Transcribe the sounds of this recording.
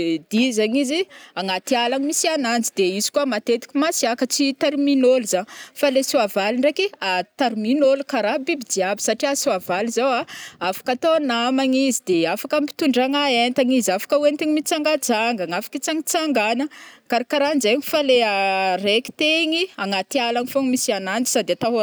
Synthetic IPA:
d̪izaɲiziaŋat̪ialaɲimisianand͡zid̪eizi̥kuamat̪et̪i̥kʲimasiakət͡sit̪erminolzaŋfalesuavaliɳɖ͡ʐekiat̪erminolkaɾabibid͡ʒiabi̥saʈ͡ʂiasuavalizawaafḁkat̪oanamaŋizid̪eafakampi̥t̪uɳɖ͡ʐaŋaent̪aŋizafḁkəuwent̪eɲimit͡saŋɡad͡zaŋɡaŋafḁkit͡saŋit͡saŋɡanəkaɾikaɾanzeŋifaleareki̥t̪eŋiaŋat̪ialaŋifoŋmisianand͡zi̥sad̪eat̪aɦ

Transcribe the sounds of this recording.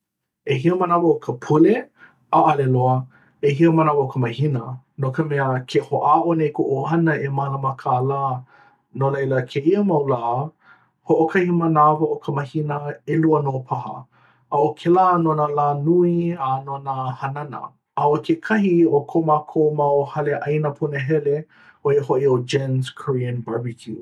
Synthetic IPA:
eɦiəmənavəokʰəpʰule | aʔɐleloə | eɦiəmənavɐokʰəməhinə | nokəmɛəkʰehoʔaːʔonejkoʔohɐnəemaləmakʰalaː | nolejləkʰeiəmɐwlaː | hoʔokʰɐhimənavɐʔokʰəməhinəeluənopʰɐɦə̰ | ɐokʰelaːnonalaːnuianonəhɐnɐnə̰ | ɐokʰekʰɐɦiokʰomakʰomaohɐleʔɐjnəpʰunəɦɛle | oehoʔiod͡ʒɛnzkʰəɹiənbabikʰju

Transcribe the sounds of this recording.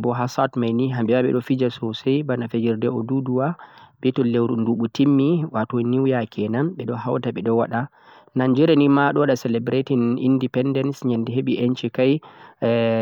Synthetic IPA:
bɔɦasatmajniɦambɛwaɓɛ̰ɗɔfid͡ʒasɔsɛjbanafed͡ʒiɾdɛɔduduwaɓɛtɔlewɾunduɓutimːiwatɔniwjakʰɛnamɓɛɗɔhawtaɓɛɗɔwaɗa | nand͡ʒɛɾɛnimaɗɔwaɗasɛlɛbɾetinḭndipɛndɛnsɲandɛɦeɓiʔent͡ʃikaj

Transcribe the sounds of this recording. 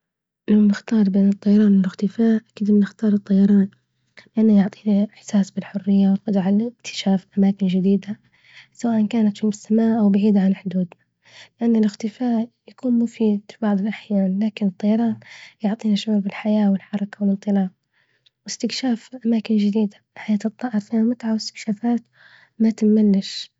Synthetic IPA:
ʔɪnʊnɪxt̪ɑːɾˤbeːnɨt̪ˤːɑjɑɾˤɑːnwɪlɪxt̪ɪfaːʔʔakiːd̪mnɪxt̪ɑːɾˤɨt̪ˤːɑjɑɾˤɑːn | lɪʔanːajʊʕt̪ˤiːnaħsaːsbɪlħʊrːɪjːawɪlqɑd̪ˤʕalɪkt̪ʰɪ̥ʃaːfʔamaːkɪnd͡ʒɪd̪iːd̪a | sawaːʔankaːnat̪fimɪsːamaːʔʔawbaʕiːd̪ʕanħʊd̪uːd̪na | lɪʔanːɪlɪxt̪ɪfaːʔjakuːnmʊfiːd̪fibɑʕðˤɨlʔaħjaːnlaːkɪnɨt̪ˤːɑjɑɾˤɑːt̪jʊʕt̪ˤiːnaʃʕuːɾbɪlħajaːwɪlħɑɾˤɑkawɪlɨnt̪ˤɨlɑːb̚ | wɪst̪ɪkʃaːfʔamaːkɪnd͡ʒɪd̪iːd̪aħajaːt̪ɨt̪ˤːɑːʔɨɾˤfiːnamʊt̪ʕawɪst̪ɪ̥kʃaːfaːt̪ | mat̪ɪmːalːɪʃ

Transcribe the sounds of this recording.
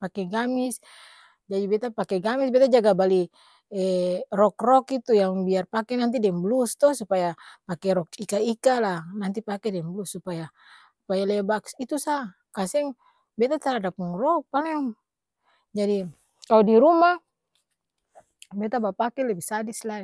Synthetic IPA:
pakɛɡamis | d͡ʒadibɛt̪apakɛɡamisbɛt̪ad͡ʒaɡabali | ɛrɔkrɔkit̪ujaŋbiarpakɛnant̪̬idɛmblust̪ɔhsupajapakɛɾɔkikaikalanant̪ipakɛdɛmblusːupaja | supajalɛbaksit̪usa | kasɛŋ | bɛt̪at̪aɾadapuŋrɔk̚palɛŋ | d͡ʒadi | kaudiɾuma | bɛt̪abapakɛlɛbɛsadisla

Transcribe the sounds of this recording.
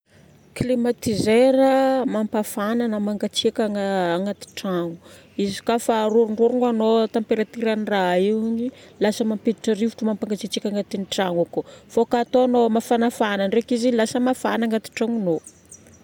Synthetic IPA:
klimat̪izeɾəmampafananəmaŋɡat͡sikʲaŋaaŋat̪i̥ʈ͡ʂaŋu̥ | izi̥kafaɾuɾuɳɖ͡ʐuɾuŋɡanot̪ampeɾat̪iɾaniraiɲilasəmampet̪iʈ͡ʂarivuʈ͡ʂumampaŋɡat͡ʃit͡ʃikʲaŋat̪iniʈ͡ʂaŋakofokaːt̪oanomafanafananrekizilasəmafanaŋɡat̪i̥ʈ͡ʂaŋuno

